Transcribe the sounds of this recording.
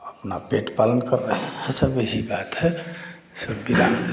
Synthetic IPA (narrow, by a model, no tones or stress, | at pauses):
əpna̰peʈpalənkəɾːəɦhɛ̃səbəɦibat̪ɦɛ | səbːid̪an